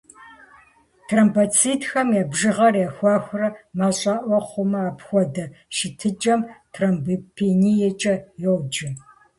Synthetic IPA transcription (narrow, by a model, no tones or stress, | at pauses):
tʰrɐmbɐt͡sʰiːtʰxɐmjɛbʒɨʁɐrjaxʷɑːxʷʊrɐmaɕʼɑːʔʷɔχʷʊmɐaːpxʷɔdɐʃɪtʰɨd͡ʒʼɐmtʰrɐmbipʰenijɛt͡ʃʼɐjɛwd͡ʒɪ